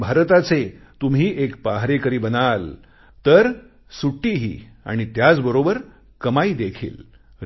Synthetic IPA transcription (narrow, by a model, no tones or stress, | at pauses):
bʱaɾt̪at͡se | t̪umɦiːʔekpaɦɾekəɾiːbənal | t̪əɾ | suʈːiɦḭː | a̰ɽ̃it̪jat͡sbəɾobəɾ | kəmaiːd̪ekʰḭːl